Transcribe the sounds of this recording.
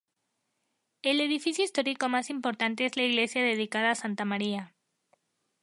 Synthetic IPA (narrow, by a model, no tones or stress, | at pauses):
e̞le̞ð̞ifisjo̞ist̪o̞ɾiko̞masimpo̞ɾt̪ant̪e̞ezlaiɣle̞sjaðe̞ð̞ikað̞aːsant̪amaɾia